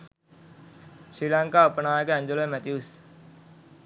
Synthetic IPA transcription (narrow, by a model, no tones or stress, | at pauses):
sɾiːlãŋkaːəpnaːekɛ̃ːɲd͡ʒoleːmɛːt̪jus